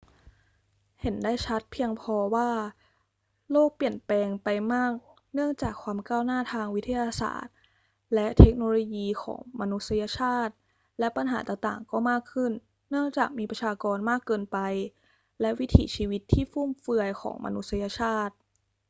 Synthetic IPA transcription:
he˩˦ndaː˥˩jt͡ɕʰa˦˥t̪̚pʰi˧əŋpʰɔː˧waː˥˩ | loː˥˩k̚pli˨˩ənpɛː˧ŋpa˧jmaː˥˩k̚ | nɯ˥˩əŋt͡ɕaː˨˩kʰwaː˧mkaː˥˩wnaː˥˩t̪ʰaː˧ŋwi˦t̪ʰːa˧jaː˧sa̰ː˨˩t̪̚ | lɛ˦˥ʔt̪ʰe˦˥k̚noː˧loː˧jiː˧kʰɔ̰ː˩˦ŋma˧nu˦˥t̪̚sa˧ja˧˥t͡ɕʰaː˥˩t̪̚ | lɛ˦˥pa˧nɦa̰ː˩˦t̪aː˨˩t̪a̰ː˨˩ŋkɔː˥˩maː˥˩kʰːɯ˥˩nː | ɯ˥˩əŋt͡ɕaː˨˩k̚miː˧pɾa˧t͡ɕʰaː˧kɔː˧nmaː˥˩kːɤː˧npa˧j | lɛ˦˥ʔwi˦˥t̪ʰḭː˩˦t͡ɕʰiː˧wi˦˥t̪ʰːiː˥˩fu˥˩mfɯ˧əjkʰɔ̰ː˩˦ŋma̰˧nu˦˥t̪̚sa˧ja˧t͡ɕʰaː˥˩t̪̚

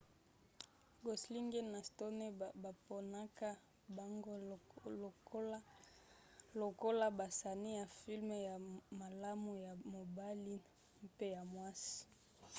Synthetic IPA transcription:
ɡo˨sli˦ŋɡe˦na˨sto˦ne˦ba˨po˨na˦ka˦ | ba˦ŋɡo˦˨˦ | lo˨ko˦la˦ba˨sa˨ni˦ja˨fi˦lm˨ja˨ma˨la˦mu˨ja˨mo˨ba˦li˦ | pe˦ja˨mwa˦si̥˨

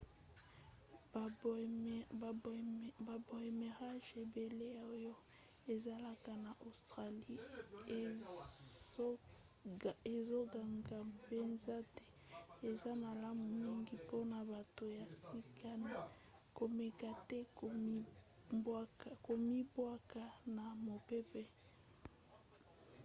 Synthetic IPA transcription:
ba˨bo˨e˨me˨ʁa˦ʒe˨be˨le˦o˦jo˦ | e˨za˦la˨ka˨na˨ʔo˨stʁa˨li˦˨˦ | e˨zo˦ɡa˨ŋɡa˨pe˦nza˦tɛ˦e˨za˦ma˨la˦mu˨mi˦ŋɡi˦po˦na˨ba˨to˨ja˨si˦kʰa˦na˨ | ko˨me˨ka˨tɛ˦ko˨˦ | ba˦ka˨ko˨mi˦bwa˦ka˨na˨mo˨pe˦pe˦

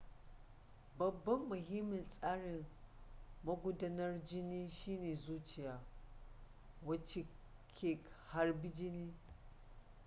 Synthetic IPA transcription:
bɐ˨bːɐ˦mːʊ˨ɦi˦mːɪ˨nsʼaː˦ɽɪ˨ŋ | mɐ˦ɡʷʊ˦dɐ˦nɐ˦rd͡ʒɪ˦niː˦ʃiː˦neː˨zuː˦t͡ʃɪ˨jaː˨ | wɐ˦t͡ʃe˨kʲʰe˦˨kha˦rbi˦d͡ʒɪ˦niː˦

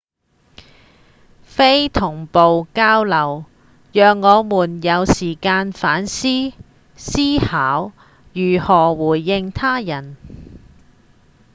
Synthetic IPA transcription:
fe˥jt̪ʰʊ˨˩ŋpo˨wkaː˥wlɐ˨˩w | jœː˨ŋːɔː˨˧muː˨˩njɐ˨˧wsiː˨˩kaː˧nfaː˨˥nsiː˥ | siː˥haː˨˥w | jyː˨˩hɔː˨˩wuː˨˩jːɪ˧ŋt̪ʰaː˥jɐ˨˩n

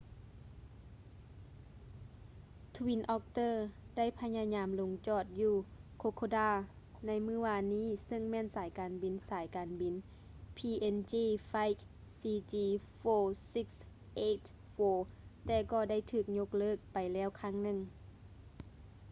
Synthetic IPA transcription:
t̪ʰwi˧˥nʔɔː˧k̚t̪ɤː˧˨da˥˨jpʰa˧˥jɲa˧ɲaː˨˦mlo˨˦ŋt͡ɕɔː˧˩t̪̚juː˧˩kʰo˧˦kʰoː˧daː˧˩ | na˧˥jmɯː˧˥˨ʋaː˧˨niː˥˨sɤ˧˥˨ŋmɛː˧˥˨nsaː˨˦jkaː˨nbi˨˩˦nsaː˨˦jkaː˨nbi˨n | pʰiː˧˩ʔe˧nt͡ɕiː˧˩fa˧˥jk̚ | siː˧t͡ɕiː˧foː˧si˧˥k̚s | ʔe˧˥t̪ | foː˧˩t̪ɛː˧˩kɔː˧˩da˥˨jt̪ʰɯː˧˩k̚ɲo˧˥k̚lɤː˧˥˩k̚pa˨jlɛː˧˥˩wkʰaː˧˥˩ŋnɯ˧˩˨ŋ

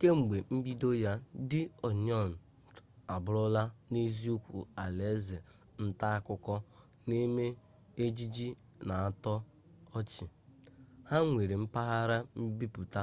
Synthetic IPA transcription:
ke˦ŋ͡m̩˨ɡ͡be˨m̩˦bi˦do˦ja˦dɪ˦ɔ˨ɲɔ˦˨n̩˨ | a˨bʊ˦ɾʊ˦la˦ne˦zi˦u˦kʷṵ˨a˨le˨˦ze˨ | n̩˦ta˦a˦kʊ˦kɔ˦ | ne˦me˦ | e˦d͡ʒi˦d͡ʒi˦ | na˨a˦tɔ˦ | ɔ˦t͡ʃɪ˨ | ha˦ŋʷe˨ɾe˨m̩˦pa˦ɦa˦ɾa˦m̩˦bi˦pu˨ta˦

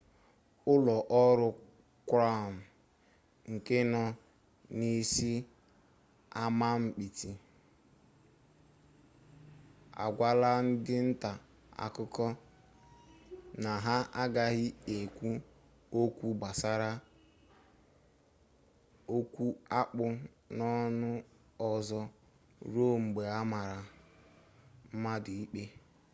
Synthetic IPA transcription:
ʊ˦lɔ˨ʔɔ˦ɾʊ˨ | kʷɾa˦˨m̩˨ | ŋ̩˨ke˦nɔ˦ | ni˦si˦ | a˦ma˦m̩˨k͡pi˨ti˨ | a̰˨ɡʷa˦la˦n̩˦dɪ˦n̩˦ta˨ | a̰˨kʊ˦kɔ˦ | na˨ɦa˦ʔa˦ɡa˦ɣɪ˦e˨kʷu˦ | o˦kʷu˦ɡ͡ba˨sa˦ɾa˦ | o˦kʷu˦a˦k͡pʊ˦ | nɔ˦nʊ˦ | ɔ˨zɔ˦ | ɾo˦ŋ͡m̩˨ɡ͡be˨a˦ma˨ɾa˨ | m̩˦ma˦dɪ˨i˦k͡pe˦

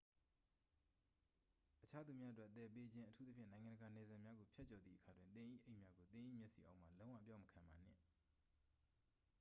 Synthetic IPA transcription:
ʔət͡ɕʰa˦d̪u˨mja˦ʔət̬wɛ˦ʔt̪ɛ˨pe˦d͡ʑɪ̃˦ʔətʰu˦t̪ə˦pʰjɪ̃˦˨nã˨ŋã˨ndəɡa˨nɛ˨zã˨mja˦ɡo˨pʰjɛ˦t͡ɕɔ˨d̪ðḭ˦ʔəkʰa˨dwɪ̃˨nt̪ɪ̃˨ʔḭ˦ʔe˦ɪʔmja˦ɡo˨t̪ɪ̃˨ʔḭ˦˨mjɛ˦ʔsḭ˨ʔa˦ʊʔm̥a˨lõ˦wã̰˦˨əp̬jã˦məkʰã˨mba˨n̥ɪ̰̃˦˨

